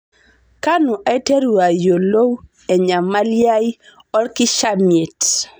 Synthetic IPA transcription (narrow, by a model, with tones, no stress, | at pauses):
ka˦nu˨ʔa˦te˦ɾwa˨jo˨lo˦w | ɛ˨ɲa˨ma˦lja˦j | ɔ˦lkɪ˦ʃa˦mje˨t